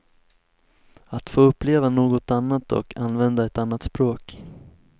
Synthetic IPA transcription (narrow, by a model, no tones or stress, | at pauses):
at̪foːɵpːleːvanoːɡɔt̪anːat̪ɔ̰kʰanːvɛnd̪aɛt̪anːat̪spɾoːk